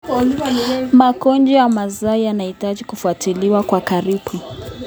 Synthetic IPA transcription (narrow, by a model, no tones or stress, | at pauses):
makɔnd͡ʒɔjamazaijanahitaʄikufuatiliwakwakaɾiɓu